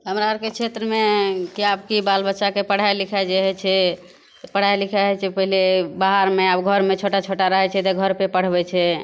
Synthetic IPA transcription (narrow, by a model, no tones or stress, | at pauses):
ɦəmɾaəɾkekt͡ʃʰet̪ɾəmekiabkibalbətːʃakepəɽ̤ajlikʰad͡ʒeɦɛt͡ʃʰɛ | pəɽ̤ajlikʰɛɦɛt͡ʃʰɛpəɦilebaɦaɾmeabɡʱəɾmet͡ʃʰoʈat͡ʃʰoʈaɾəɦɛt͡ʃʰɛt̪eɡʱəɾpepəɽ̤bɛt͡ʃʰɛ